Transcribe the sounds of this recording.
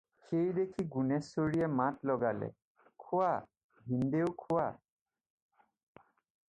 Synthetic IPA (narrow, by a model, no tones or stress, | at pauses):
xejdekʰiɡunɛsːoɹiɛmatlɔɡalɛ̰ | kʰʊa | bindeʊkʰʊwa